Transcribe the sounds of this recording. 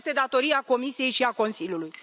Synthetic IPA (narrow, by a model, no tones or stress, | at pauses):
st̪e̞d̪at̪o̞ɾiako̞misije̞jʃiako̞nsilʲjuluj